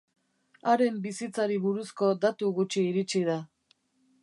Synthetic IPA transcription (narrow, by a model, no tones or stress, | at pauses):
aɾe̞mbisit͡saɾiβuɾusko̞d̪at̪uɣut͡ʃiːɾit͡ʃið̞a